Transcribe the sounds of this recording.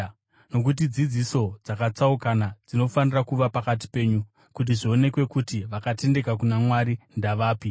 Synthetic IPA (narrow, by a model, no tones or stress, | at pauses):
no̞k̬ut̬id͡zid͡ziso̞d͡zakat͡saukanad͡zino̞fanirakuʋapakat̬i̥pe̞ːɲu | kut̬iʐio̞ne̞kwe̞kutiʋakate̞nde̞kakunamwaɾindaʋaːpi